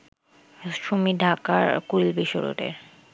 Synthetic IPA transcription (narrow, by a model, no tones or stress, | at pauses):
ʃomiɖʱakaɾkuɾilbiʃoɾo̰ʈḛɾ